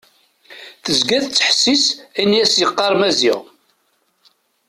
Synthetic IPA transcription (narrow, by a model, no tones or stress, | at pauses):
θəzɡæðt͡sːħə̥sːisænijæsjəqːɑɾˤmæzḭʁ